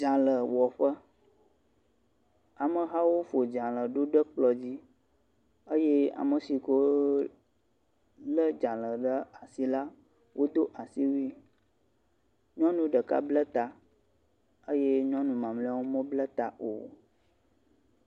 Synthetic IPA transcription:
d͡ʒã˨lə˨wɔ˨ɸə˦ | a˨mə˨ɦa˦wo˦fo˨d͡ʒã˨lə˨ɖo˦ɖə˦k͡plɔ˨d͡ʑi˦ | ə˦je˦a̰˨mə˨si˨ko˦ | lə˦d͡ʒã˨lə˨ɖə˦a˨si˦la˦ | wʔo˦d̪o˦ʔa˨si˦wu˦i˦ | ɲɔ̃˦nũ˨ɖə˨ka̰˦blə˦t̪a˨ | ə˦je˦ɲɔ̃˦nũ˨mã˨mlĩ˦a˦wo˦mə̃˦blə˦t̪a̰˨ʔo̰˨

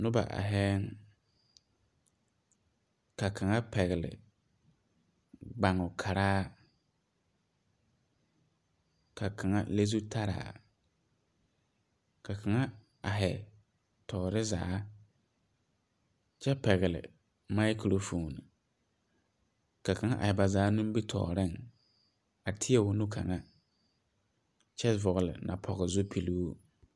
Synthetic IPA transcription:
nʊ˦ba̰˨ʔa̰˨ɦɛ˦ŋ | ka˨kʰa˨ŋa˦pɛ˨ɣɪ˨lɪ̰˨ | ɡ͡ba˨ŋʊ˨kʰa˨ɾaː˦ | ka˨ka˨ŋa̰˦le˦zu˦tʰa˦ɾa̰ː˨ | ka˨kʰa˨ŋa˦ | a˨ɦɛ˨ | tʰɔː˨ɾɪ˦za̰ː˨˦ | t͡ʃɛ˦pɛ˨ɣɪ˨lɪ̰˨ | ma˦jkɾo˦fuː˨nɪ˨ | ka˨ka˨ŋa˦ʔa̰˨hɛ˨ba˨zaː˨˦nu˦m˦bɪ˦tʰɔ̰ː˨ɾɪ˦˨ŋ | a˨tʰɪ˦ɛ˦˨wʊ˦nʊ˦kʰa̰˨ŋa˦ | t͡ʃɛ˦vʊ˨ɣlɪ̰˨nʔa̰˨pʰɔ˨ɣɪ˨zʊ˦pʰi˨lu˦

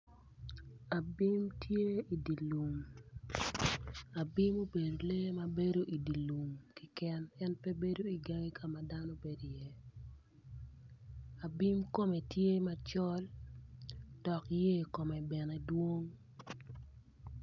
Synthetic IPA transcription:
a˨bi˦mtʰje˦i˨di˨lu˨ŋ | a˨bi˦mo˦be˨do˨le˦ma˦be˦do˦ʔi˨di˨lu˨ŋki˦kɛ˦nɛ˦npe˦be˦do˦i˨ɡa˦ŋi˦kʰa˨ma˨da˦no˦be˨di˨je˦ | a˨bi˦mko˦me˨tje˦ma˦t͡ʃɔ˦l | d̥ɔ˨kje˦ko˨mɛ˨bɛ˨nɛ˨dwo˦ŋ

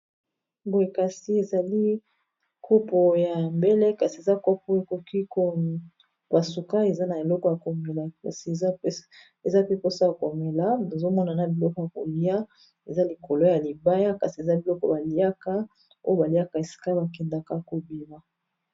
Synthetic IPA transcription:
bo˨e˨ka˨si˨˦e˨za˨li˦ | kʰo˦pɔ˨ja˨mbe˦le˦ka˨si˨e˨za˦ko˦pɔ˦e˨ko˨ki˦ko˦ | ba˨su˨ka˦e˨za˦na˨e˨lɔ˦kɔ˨ja˨ko˨me˨la˨ka˨si˨˦ | e˨za˦pe˦ko˦sa˦˨ko˨me˨la˦na˨zo˦mɔ˦na˨na˦bi˨lɔ˦kɔ˨ja˨ko˨li˦a˦ | e˨za˦li˨ko˨lo˦ja˨li˨ba˦ja˦ka˨si˨e˨za˦bi˨lɔ˦kɔ˦ba˨li˦a˦ka˦ | o˦jo˦ba˨li˨ja˦ka˨e˨si̥˨ka˦ba˨kɛ˨nda˦ka˦ko˨bi˨ma˨

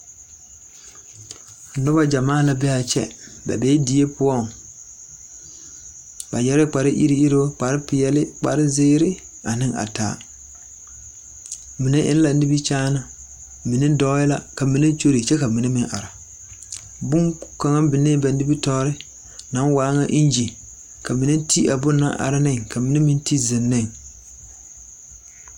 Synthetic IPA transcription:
nʊ˦ba˦d͡ʒa˨maː˦˨la˨bɛ˦a˨t͡ʃɛ̰˦ba̰˨bɛ˦di˨˦e˦pʊ˦ɔ˦ŋ˨ | ba˨jɛ˨˦ɾɪ˦k͡pa˨ɾɪ˦ʔḭ˦ɾi˦i˦ɾo˦k͡pa˨ɾɪ˦pɪ˨jɛ˨lɪ˦k͡pa̰˨ɾɪ˦zɪː˦ɾɪ˦ | a˨nɪ˦ŋa̰˨ta̰ː˨˦ | mi˨ne˦ʔɪ̰˦n˦la˨˦ni˦bi˦t͡ʃaː˦na˨ | mi˨nɪ˦dɔ˦jɪ˦la˦ka˨mi˨nɪ˦t͡ʃo˦ɾi˨t͡ʃɛ˦ka˨mi˨ne˦mɪ˦ŋʔa̰˨ɾa˨ | bʊ˦ŋka˨ŋa˦bɪ˨ne˦ba˨n˦i˦bi˦tɔː˦ɾɪ˦ | na˨˦nwaː˨˦ŋa˦ʔi˦n˦d͡ʒi˨ | ka˨mi˨nɪ˦ti˦ʔa˨bʊ˦nːa̰˦ʔa̰˨ɾɪ˦nɪ˦˨ŋka˨mi˨ne˦mɪ˦nti˦zɪ˨nːɪ˦˨ŋ

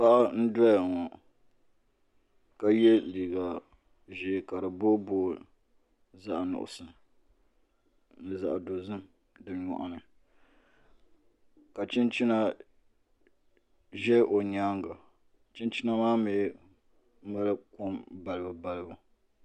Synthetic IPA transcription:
pa˦ʔa˦n̩˦dɔ˦ja˨ŋɔ˨ | ka˦jɛ˦liː˨ɡa˨ | ʒɪ˨ka˨ɾɨ˨bo˦boː˦ | za˦ʔnʊ̰˨ʔʊ̰˨sɨ˨m | nɨ˨za̰˨ʔdo˨zɨ˦m | dɨ˨˦ɲɔ̰˨ʔa̰˨nɨ˨ | ka˨t͡ʃɪ˦nt͡ʃɪ˦na˦ | ʒɛ˦ʔo˨ɲaː˦ŋɡa˨ | t͡ʃɪ˦nt͡ʃɪ˦na˦maː˦meː˨˦ | ma˦lɨ˦ko˦mba˨lɨ˦bɨ˨ba˦lɨ˦bʊ˨

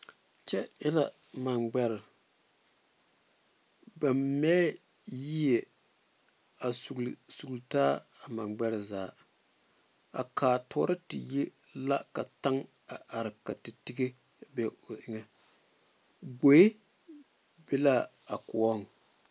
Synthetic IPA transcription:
t͡ʃɛ˦ɛ˦la˨ | ma˨nɡ͡bɛ˦ɾɪ˨ | ba˨mmɛː˦ | ji˦jɛ˨ | a˨su˨lsu˨ɡltaː˦a˨ma˨ɡ͡bɛ˦ɾɪ˨zaː˨˦˨ | a̰˨kʰaː˨tɔ̰ː˨˦ɾɪ˦tɪ̰˨ji˦ | la˦ka˨ta˦ŋ | a˨ʔa˨ɾɪ˨ka˨ti˨ti˦ɡe˦ | bɛ˦o˨ʔɪ˦ŋɛ˨ | ɡ͡bo˨˦e˦ | be˦la˦ | a˨kʊ˨ɔ˦ŋ˨

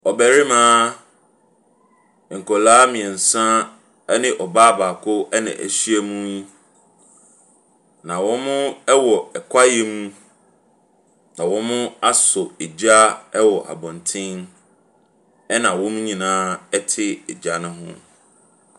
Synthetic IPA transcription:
ɔ˨bæ˨ɾi˦mãː˦˨ | ŋ̩˨kʰɔ˨laː˦mĩ˨ɛ˨n̩˨sã˦ | nɪ̃˨ʔɔ˨baː˦ba˨kʰʊ˦ɛ˦nɪ̰̃˨ʔæ̰˨ɕi˦ɛ˦mũ˦ | nã˨wɔ̃˦mʊ̃˦ɛ˦wɔ˨ɛ˨kʰʷa˦je˦mũ˦ | nã˨wɔ̃˦mʊ̃˦a˦sʊ˨e˨d͡ʑa˦ɛ˦wɔ˨ʔa̰˨bɔ̃˨ntʰɪ̃˦n | ɛ˦nã˨wɔ̃˦m̃˦ɲĩ˨nãː˦ɛ˦tʰɪ˦ɛ˨d͡ʑa˦nʊ̃˦ɦʊ̰̃˦

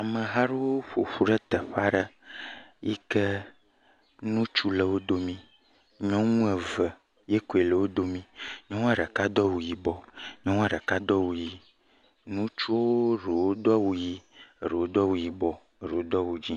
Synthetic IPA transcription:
a˨mẽ˨ɦa˦ɾo˦wo˦ɸo˨ɸu˦ɖɛ˦t̪ɛ˨ɸa˦ɖə˦ | jḭ˦ke˦ | nũ˦t͡ʃu˦le˨wo˦d̪o˦mĩ˦ | ɲɔ̃˦ŋũ˦ɛ˨və˨ | je˦ko˨e˨le˨wo˦d̪o˦mĩ˦ɲɔ̃˦ŋ̃˦a˨ɖɛ˨ka˦d̪ɔ˦wu˨ji˨bɔ˨ɲɔ̃˦ŋ̃˦a˦˨ɖɛ˨ka˦d̪ɔ˦wu˨ji˦ | nũ˦t͡ʃu˦wo˦ɾe˨wo˦d̪ɔ˦wu˦ji˦˨ɾe˨wo˦d̪ɔ˦wu˨ji˨bɔ˨ | ɾe˨wo˦d̪ɔ˦wu˨d͡ʑi˦

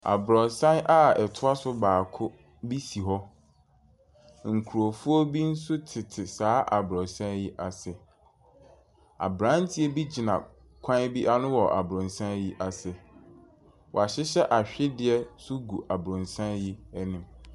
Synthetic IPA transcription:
a̰˨bɾɔ˨sã˦nʔa˦ɛ˨tʰʊ˦a˦sʊ˦baː˨kʰʊ˦ | bi˦si˨ɦɔ˦ | ŋ̩˨kʰu˨ɾo˨fu˦o˦bi˦n̩˦sʊ˦tʰɪ˨tʰɪ˨saː˨˦ʔa˨bɾɔ˨sã˦ji˦ʔa˨sɛ˨ | a̰˨bɾã˦n˦tʰi˦e˦bi˦d͡ʑi˨nã̰˨ | kʷʰã˦bi˦ʔa˦nʊ̃˦wɔ˨ʔa̰˨bɾʊ̃˨n˨sã˦n˦ji˦ʔa˨sɛ˨ | wɔ˨a˨ɕɪ˦ɕɛ˦ʔa˨ɕᶣɪ˦dɪ˨ɛ˦sʊ˦ɡu˨ʔa˨bɾʊ̃˨nsã˦nji˦nĩ˨m

